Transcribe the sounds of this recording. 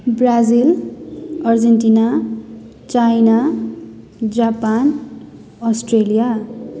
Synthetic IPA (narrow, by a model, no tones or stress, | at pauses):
brad͡zil | ʌrd͡zenʈina | t͡sajna | d͡zapan | ʌsʈrelija